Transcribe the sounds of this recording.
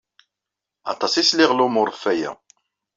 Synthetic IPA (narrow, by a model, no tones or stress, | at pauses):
ɑ̰t̪ˤɑsislɪʁlumʊɾˤfːæjæ̰